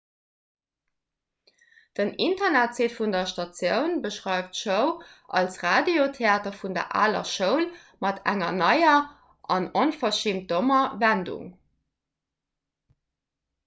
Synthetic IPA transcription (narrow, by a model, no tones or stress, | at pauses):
d̥ənintɐnætt͡seːtfundɐʃtɑt͡sjəʊnbəʃʁɑɪftʃəʊʔɑ̰lsʁaːdeotʰeaːtɐfundɐ̰ʔa̰ːlɐ̰ʃəʊl | mɑtʰæ̰ŋɐnɑɪɐ | ʔɑnonfɐʃiːmt̚domɐvændṵŋ